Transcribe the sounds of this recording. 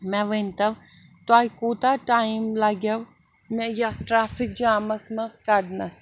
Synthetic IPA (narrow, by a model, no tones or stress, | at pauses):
mɛ̃ʋɐnt̪ɐʋ | t̪aːikoːt̪aʈaːimlaɡjɐʋ | mɛ̃jaʈɾaːfɪk̚d͡ʒaːmɐsmɐ̃skɐɖnɐs